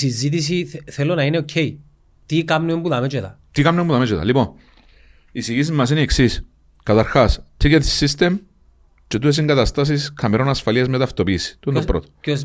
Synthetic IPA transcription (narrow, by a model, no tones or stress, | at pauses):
sizit̪̬is̬iθelːonɐineocʰei | t̪ikɐmnuembuðɐmet͡ʃet̪ɐ̰t̪ikamnumbuðɐmet͡ʃet̪ɐ̰lipon | isiʝis̬izmɐs̬inieksis | kɐt̪ɐɾxast̪ʰiket̪isːist̪em | t͡ʃet̪ues̬iŋɡɐt̪ɐst̪as̬iskʰɐmeɾonɐsfɐliɐzmet̪ɐft̪opiːsi̥t̪uenpɾot̪o